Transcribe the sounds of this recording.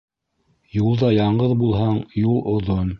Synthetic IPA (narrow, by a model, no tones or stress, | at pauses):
julˠd̪ɑjɑɴɢɤðbulˠɦɑɴjulˠŏðon